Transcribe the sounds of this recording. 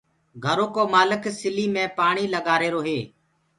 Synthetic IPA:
ɡʱəɾõːkoːmaːlɪksɪliːmẽːpaːɳiːləɠaːɾeːɾoːɦeː

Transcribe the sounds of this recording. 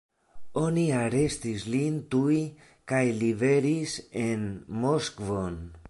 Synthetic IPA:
oniaɾest̪izlint̪uj | kajliβeɾisenmoskvon

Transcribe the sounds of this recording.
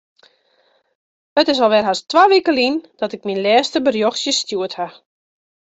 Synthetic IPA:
ətɪsɔlˠʋɛrɦastʋaʋikəlind̥ɔtɪkminlɛːstəbərjoxsjəstjuətha

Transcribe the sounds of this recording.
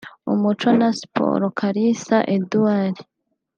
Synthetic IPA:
ṵmut͡ʃonasi̥pʰo̰ɾokʰaɾisaʔeduaɾi

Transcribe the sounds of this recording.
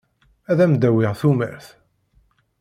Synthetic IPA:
æðæmd̪æwiʁθumæ̰ɾθ

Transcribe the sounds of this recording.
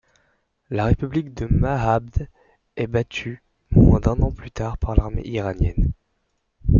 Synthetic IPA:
laʁepyblik̚d̪əmaabd̪ | ɛbat̪ʰy | mwɛ̃d̪ɛ̃nɑ̃plyt̪aʁpaʁlaʁmḛʔiʁanjɛ̰n

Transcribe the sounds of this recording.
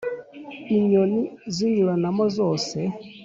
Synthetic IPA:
iɲoniziɲiɾwanamɔzɔsɛ

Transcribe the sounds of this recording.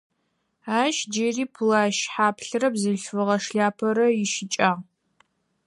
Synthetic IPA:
aːʃd͡ʒeriːpʰɨlaːʃħaːpʰɬɨrɐbzɨɬfɨʁɐʃɬaːpʰɐɾɐjɪʃɪt͡ʃʼaːʁ

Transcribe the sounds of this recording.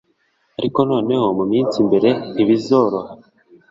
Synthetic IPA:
aɾʔiko̞no̞ːne̞ho̞mumiːnsimbe̞ɾe̞iβizo̞ːɾoha

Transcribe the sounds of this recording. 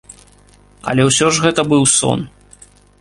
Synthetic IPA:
ɐ̰lʲɛwsʲɔʐɣɛt̪ɐbɨwsɔ̰n

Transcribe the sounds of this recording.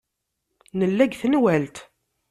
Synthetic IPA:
nəlːæɡθənwælt̪

